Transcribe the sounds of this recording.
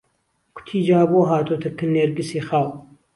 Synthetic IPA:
kʷʰʊ̥t̪ʰiːd͡ʒaːboːɦaːt̪ot̪ʰɐkɨnːeːɾɡɨsiːxaːw

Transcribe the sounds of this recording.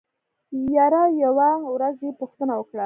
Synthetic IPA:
jɑɾajawawɾazepuxt̪ənawəkɽa

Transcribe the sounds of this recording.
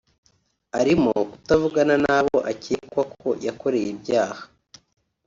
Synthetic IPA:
aɾimoku̥tavuɡananaβoʔacikwakʰo̞jako̞ɾe̞jebɟaːhḁ

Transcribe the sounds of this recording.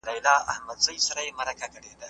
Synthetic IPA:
lɑjlɑa̰hmad̪zajsaɾajemaɾakakəɽed̪a

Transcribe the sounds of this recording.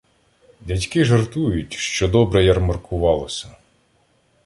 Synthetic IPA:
dʲɐtʲkɪʒert̪ujʊtʲʃt͡ʃɔd̪ɔbɾɛjɐrmɐrkʰʊʋɑlˠɔsʲɐ

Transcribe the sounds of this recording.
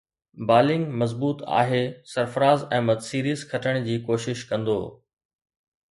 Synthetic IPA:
baːlɪ̃ŋɡmɐzbuːt̪a̰ːɦeːsɐɾfəɾaːzɛ̃ːmɐt̪siːɾiːzkʰɐʈʰəɽ̃d͡ʑiːkoːʃɪʃkɐ̃nd̪o̰ː

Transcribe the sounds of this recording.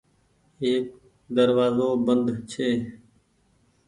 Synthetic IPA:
ɦeːk̚ | d̪əɾʋaːzoːbənd̪t͡ʃʰeː

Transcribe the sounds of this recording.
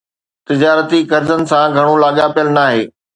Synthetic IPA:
t̪ɪd͡ʑaːɾət̪ikɐɾzənɪ̆sãɡʱɐɽ̃olaːɠapijəlnaːɦeː

